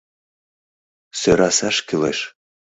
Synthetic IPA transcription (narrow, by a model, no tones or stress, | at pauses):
søɾɑsɑʃkilḛʃ